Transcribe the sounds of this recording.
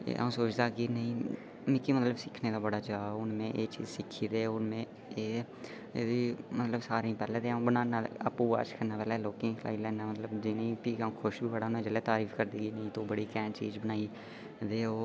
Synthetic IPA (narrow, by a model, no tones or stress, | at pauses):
ḛːə̰õːsoːt͡ʃd̪aːɡiːnəĩː | mɪkːiːmət̪ləbsɪkʰneːd̪aːbəɽaːt͡ʃaːʊnmẽːʔeːt͡ʃḭːzsɪkʰiːd̪eːʊnmẽː | eː | imət̪ləbsaːɾĩːpɛːleːd̪ẽːbənaːnaːəpːuːa̰ːt͡ʃkəɾnaːpɛːlaːloːkɪ̃ːkʰla̰ːilɛːnaːmət̪ləbd͡ʒɪneːpiːkːũːkʰʊʃbʱiːbəɽaːʊnmẽːd͡ʒəleːt̪aːɾiːfʰkəɾd̪iːɡiːnəĩːt̪oːbəɽiːkɛ̃ːt͡ʃḭːzbənaːiː | d̪eːoː